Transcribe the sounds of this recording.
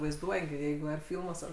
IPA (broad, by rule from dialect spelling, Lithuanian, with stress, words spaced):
ʋɐɪzˈduɔjɛ ɡʲɪ ˈjɛɪɡʊ ɐr ˈfʲɪlˠmuɔs ɐr